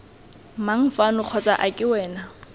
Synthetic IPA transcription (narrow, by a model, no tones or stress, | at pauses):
maŋ̩fanʊq͡χʰɔt͡sʼa̰ʔakʼɪwɛːna